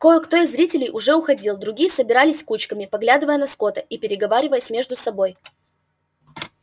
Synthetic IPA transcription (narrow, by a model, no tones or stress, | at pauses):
kojəkt̪o̞ɪzɾʲitʲɪlʲɪjʔʊʐɛʊxɐdʲilˠd̪ɾʊɡʲijəsəbʲɪɾalʲɪsʲkut͡ɕkəmʲɪpɐɡlʲad̪ɨvəjənɐsko̞t̪əipʲɪɾʲɪɡɐvaɾʲɪvəjəsʲmʲe̞ʐd̪ʊsɐbo̞j